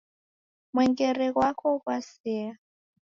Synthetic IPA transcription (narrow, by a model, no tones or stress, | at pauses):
mwɛŋɡɛɾɛɣwakʰɔɣwasɛa